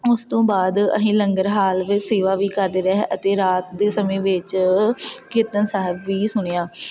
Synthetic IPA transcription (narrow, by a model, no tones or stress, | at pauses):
ʊst̪õːbaːd̪ə̰sĩːləŋɡəɾɦaːlʋɪseːʋaːʋiːkəɾd̪eːɾɛɦʔət̪eːɾaːt̪̚d̪eːsəmẽːʋɪt͡ʃ | kɪɾt̪ənsaːɦɪbʋiːsʊɳijaː